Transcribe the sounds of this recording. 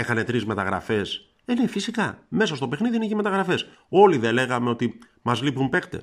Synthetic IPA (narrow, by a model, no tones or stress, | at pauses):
e̞xɐne̞t̪ɾizme̞t̪ɐɣɾɐ̰fe̞s | ene̞fisikɐme̞sɐst̪o̞pe̞xniðineçime̞t̪ɐɣɾɐfe̞s | o̞liðele̞ɣɐme̞o̞t̪i | mɐzlipumpe̞kt̪e̞̰s